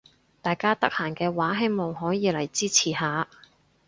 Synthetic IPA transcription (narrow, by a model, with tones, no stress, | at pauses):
t̪aː˨jkaː˥t̪ɐ˥k̚haː˨˩nkɛː˧waː˨˥ɦe˥jmo˨wɦɔː˨˥jiː˨˧lɐ˨˩jt͡siː˥t͡sʰiː˨˩haː˨˧